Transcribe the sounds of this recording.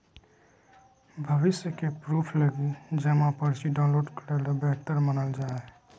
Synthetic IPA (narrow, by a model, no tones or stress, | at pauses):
bʱəʋɪsjəkepɾupʰləɡid͡ʒəmãpəɾsiɖaʊ̃nloːɖkəɾeld̪abɛːt̪əɾmənəld͡ʒaːe